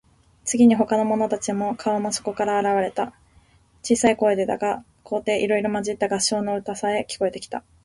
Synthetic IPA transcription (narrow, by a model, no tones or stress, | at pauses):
t͡sɨɡʲiɲ̟iɦo̞kano̞mo̞no̞t̪at͡ɕimo̞kʰao̞mo̞so̞̥ko̞kaɾaːɾaβaɾe̞t̪a | t͡ɕiːsaiko̞ːed̪e̞d̪aɡa | kʰo̞ːt̪e̞ːʔiɾo̞iɾo̞maʑit̪ːaɡaɕo̞ːnoɯ̟t̪asae̞kʲi̥ko̞e̞t̪e̞kʲi̥t̪a